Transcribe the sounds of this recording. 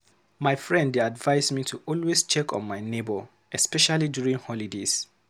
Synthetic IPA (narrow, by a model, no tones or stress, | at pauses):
maɪfɹɛ̃ndadvaɪzmitʰuʔɔlwest͡ʃɛkɔ̰̃nmaɪnebɔ | ɛspɛʃalidjuɹĩŋhɔlidez̥